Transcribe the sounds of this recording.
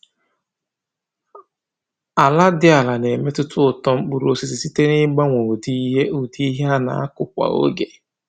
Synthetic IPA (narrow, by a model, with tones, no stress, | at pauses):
a˨la˦dɪ˦a˨la˨ne˨me˦tʊ˦tʊ˦ʊ˨tɔ˦ŋ͡m̩˦k͡pu˨ɾo˨si˨si˨si˦te˦nɪ˦ɡ͡ba˦ŋʷo˨di˦ɦe˦ʊ˨di˦i˦ɦe˦a˦na̰˨a̰˦kʊ˨kʷa̰˨o̰˦ɡe˨